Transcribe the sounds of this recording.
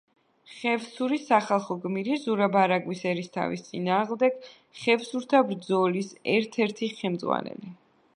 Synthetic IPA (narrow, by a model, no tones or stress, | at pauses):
χɛvsuɾisaχalˠχɔɡmiɾizuɾabaɾaɡwisɛɾist̪ʰa̰vḭst̪sʼḭnaːʁmd̪ɛɡ̥ | χɛvsuɾt̪ʰabɾd̪zɔlisɛɾt̪ʰɛɾt̪ʰiχɛmd̪zʁwa̰nɛ̰li